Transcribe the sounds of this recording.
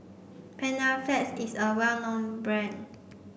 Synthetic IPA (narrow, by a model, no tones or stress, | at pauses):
pʰɛ̃nəlfɛsisəwɛlnɔ̃nbɹɛ̃n